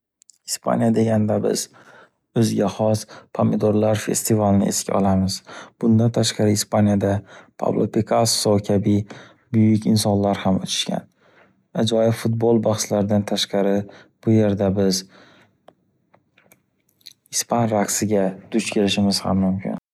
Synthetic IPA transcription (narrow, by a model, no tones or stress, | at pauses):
sɪspʰa̰njad̪e̞ɡʲand̪abɪ̰z̥ | ɵzɡʲaχɒspʰamɪd̪oɾlaɾfe̞̰st̪ʰɪvalnɪ̰ʔḛskʲaɒ̰lˠamɪzb̥ʊnd̪ant̪ʰaʃqɑɾɪːspanjad̪apʰa̰vlˠopʰekʰasːokʲʰabɪ | bʊjʊkʲɪnsɒnlaɾhamo̰t͡ʃ̪ʰɪ̥ʃkʲʰa̰n | ad͡ʒɒjɪbfʊt̪̚bolˠbaχslaɾɪd̪ant̪ʰaʃqɑɾɪ | b̥ʊje̞ɾd̪abɪz | ɪspʰanɾaksɪɡʲad̪̥ʊt͡ʃkʲʰeɾɪʃɪmɪz̥ha̰mːʊmkʲʰɪ̰n